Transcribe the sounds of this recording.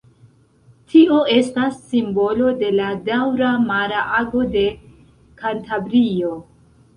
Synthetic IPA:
tʰio̞e̞stasːimbo̞lo̞de̞ladawɾamaɾaʔaɡo̞de̞ | kantabɾio̞

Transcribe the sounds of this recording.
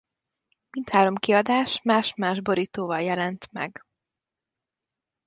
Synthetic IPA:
mint̪haːɾo̞mkiɒd̪aːʃmaːʃmaːʒboɾit̪oːvɒljɛlɛnt̪mɛ̰ɡ

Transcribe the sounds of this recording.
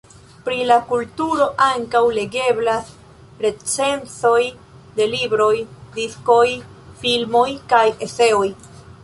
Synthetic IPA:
pɾilakultuɾo̞ʔaŋkawle̞ɡe̞blas | ɾe̞t͡se̞nt͡so̞j | de̞libɾo̞jdisko̞j | filmo̞jkaje̞se̞o̞j

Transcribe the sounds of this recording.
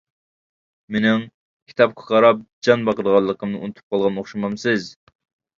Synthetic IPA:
menɪŋ | kʲʰi̥t̪ɑp̚qʰʊ̥qɑɾɑp̚d͡ʒɑnbɑqəd̪əʁɑlˠːəqəmnɨunɨt̪ʰu̥p̚qʰɑlˠʁɑnoχʃɑmɑmsɨz

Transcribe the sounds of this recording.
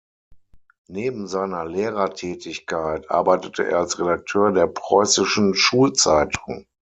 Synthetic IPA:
neːbm̩zaɪnɐleːʁɐtʰɛːtʰɪçkʰaɪtʔa̰ɐbaɪtətʰəʔḛːɐalsʁedak̚tʰøːɐdeːɐpʁ̥ɔʏsɪʃn̩ʃuːlt͡saɪtʰʊŋ

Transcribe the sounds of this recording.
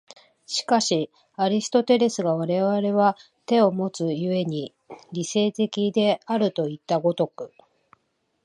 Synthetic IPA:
ɕi̥kaɕi | aɾʲisɨ̥t̪o̞t̪e̞ɾe̞sɨɡaβ̞aɾe̞βaɾe̞βa | t̪e̞o̞mo̞t͡sɨjɯe̞ɲ̟i | ɾʲise̞ːt̪e̞kʲid̪e̞aɾɯ̟t̪o̞it̪ːaɡo̞t̪o̞kɯ̟

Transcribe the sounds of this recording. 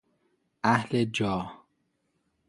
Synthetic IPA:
ʔæhled͡ʒɒːh

